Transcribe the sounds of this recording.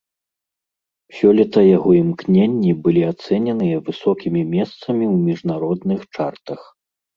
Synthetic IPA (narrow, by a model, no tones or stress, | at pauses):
sʲɔlʲɛt̪ɐjaɣɔimknʲenʲːibɨlʲiat̪sɛnʲɛnɨjɐvɨsɔkʲimʲimʲɛst̪sɐmʲiwmʲiʐnaɾɔd̪nɨxt͡ʂart̪ɐx